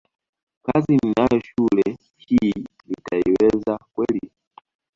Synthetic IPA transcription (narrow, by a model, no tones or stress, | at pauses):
kazininajɔʃulɛ | hiː | nitaiwɛzakwɛli